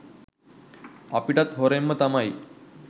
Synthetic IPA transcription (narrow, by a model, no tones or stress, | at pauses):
apiʈat̪ɦoɾemːət̪amai